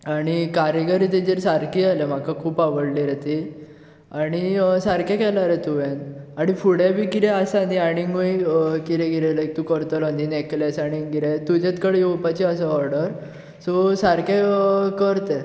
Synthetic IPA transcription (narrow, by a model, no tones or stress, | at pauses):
aɽ̃ikaɾjəɡəɾit̪ed͡ʑeɾsaɾkialem̤akakʰuːpaʋəɽliɾet̪i | aɽ̃isaɾkjakɛlaɾet̪uʋenaɽ̃ifuɽabiːkiɾɛasaniaɽ̃iŋɡuikiɾẽɡiɾɛlək̚t̪uːkəɾt̪əlɔnineklɛsaɽ̃iŋɡiɾɛt̪ud͡ʑɛt̪kəɽejowpat͡ɕiəsəɔɾɽəɾ | sɔsaɾkekəɾt̪e